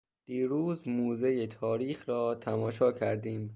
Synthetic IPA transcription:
d̪̥iːɾuːzmuːzejet̪ʰɒːɾiːxɾɒːt̪ʰæmɒːʃɒːcʰæɾd̪iːm

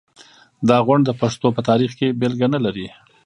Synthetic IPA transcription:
d̪ɑɣʊɳɖd̪əpaʂt̪opət̪ɑɾixkebelɡanalaɾi

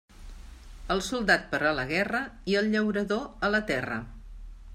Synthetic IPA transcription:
əlˠsulˠd̪at̪̚pəɾaləɣɛrəiəlˠʎəwɾəðoələt̪ɛrə̰

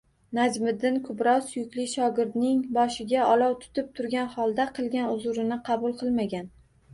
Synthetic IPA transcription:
nad͡ʒmɪd̪ːɪnkʰʊbɾɒwsjʊkʲlɪʃɒɡʲɪɾd̪nɪŋbɒʃɪɡʲaɒlˠɒwt̪ʰʊ̥t̪ʰɪp̚t̪ʰʊɾɡʲanχɒlˠd̪aqʰɨlˠɡʲanʊzʊɾɪnɪqʰɑbʊlˠqʰɨlˠmaɡʲan

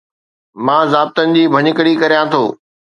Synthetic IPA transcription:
mãːzaːb̚t̪ənɪ̆d͡ʑiːbʱɐɲəkəɽikɐɾijãt̪ʰoː

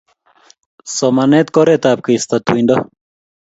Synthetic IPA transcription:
somɐnet̪koɾet̪aːp̚kiist̪ɐt̪uind̪ɐ

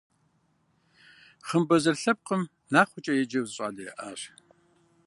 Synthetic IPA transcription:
χəmbɐzɐrɬɐp̚qəm | naːχʷʊt͡ʃʼɐjɛd͡ʒɐwzɨɕʼaːɮiʔaːr

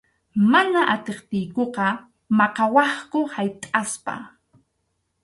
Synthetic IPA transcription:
manaʔat̪eχt̪ɪjkoqɑ | mɑqɑwɑχkʊhajt̪ʼaspa̰

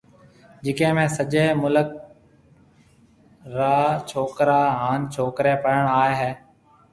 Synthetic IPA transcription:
d͡ʒɪkẽːmẽːsəʄeːmʊlək̚ | ɾaːt͡ʃʰoːkɾaːɦaːnt͡ʃʰoːkɾeːpəɾəɳ̃aːeɦeː

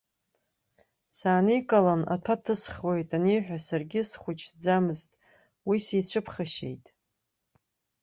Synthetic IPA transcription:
saːnijkʼalana̰tʰatʰɨsχwe̞jtʼaniħʷᶣasarɡʲɪsχʷʊt͡ʃʰd͡zamɨztʼ | wisit͡ɕʷʰɨpʰχaʃe̞̰jtʼ

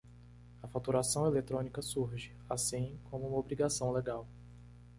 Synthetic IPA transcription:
ɐfat̪uɾasɐ̃w̃elet̪ɾõnikɐsuɾʒɪ | asĩkõmʊũmɐobɾiɡasɐ̃w̃leɡaw

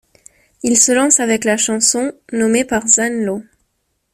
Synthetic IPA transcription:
ilsəlɑ̃savɛklaʃɑ̃sɔ̃nɔmepaʁzanlo

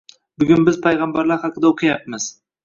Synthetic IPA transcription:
bʊɡʲʊnbɪzpʰajʁɑmbaɾlaɾhɑqʰɨd̪aoqʰɨjap̚mɪz̥

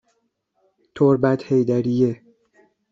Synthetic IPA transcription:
t̪ʰoɾbæt̪hejd̪æɾije

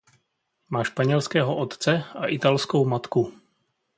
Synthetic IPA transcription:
maːʃpaɲɛlskɛːɦoʔot̪t͡sɛaʔɪt̪alskowmat̪ku

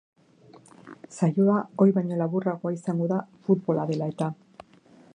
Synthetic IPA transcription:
sajoao̞jβajɲo̞laβuraɣo̞aisaŋɡo̞ðafut̪bo̞laðe̞lae̞t̪a

